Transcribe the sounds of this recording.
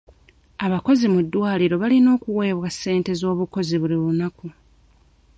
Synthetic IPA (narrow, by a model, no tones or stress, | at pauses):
aβako̞zimudːwaːliɾo̞βalino̞ːkuwe̞ːβwasːe̞ːnte̞zo̞ːβuko̞ziβuliβunaku